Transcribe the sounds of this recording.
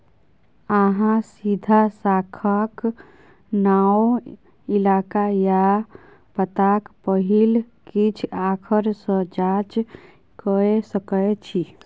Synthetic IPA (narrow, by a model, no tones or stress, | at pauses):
aɦãsid̪ʱasaːkʰək | nao | ɪlaːkaja | pət̪akpəɦil | kit͡ʃʰaːkʰəɾsə̃d͡ʒat͡ʃ | kəesəkəet͡ʃʰi